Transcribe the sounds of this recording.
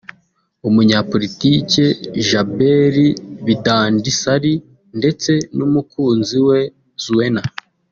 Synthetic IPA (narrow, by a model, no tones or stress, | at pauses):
umuɲapo̞ɾitice̞ʒabeɾiβidaːndisaɾi | nde̞t͡se̞numukuːnziwe | zuwe̞na